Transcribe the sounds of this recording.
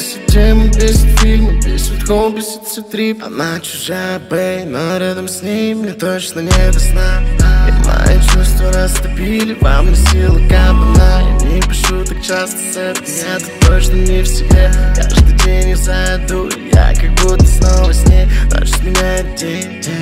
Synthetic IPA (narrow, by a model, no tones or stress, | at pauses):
sɪtʲemɨpʲesʲɪt̪fʲilʲmɨpʲesɪt̪xolˠpʲɪsɨ̥t̪sʲɪt̪ɾʲipɐ̰nat͡ɕʊ̥ʐajt̪̚bejnoɾʲad̪əmsʲnʲejmnʲɛt̪ot͡ɕnənʲed̪əsnaima̰j̰t͡ɕust̪vəɾast̪ɐbʲilʲɪvamnʲəsʲilˠɨkabɐnaja̰mnʲepʲɪʂut̪ak̚t͡ɕast̪ə̥seɾt̪ənʲat̪ʊt̪ot͡ɕnənʲɪfsʲɪbʲekaʐd̪ɨdʲenʲjazaɪd̪ṵja̰kak̚but̪əsnalˠvəsʲnʲejno̰t͡ɕɪ̥t̪mʲɪnʲæjɪt̪̚dʲe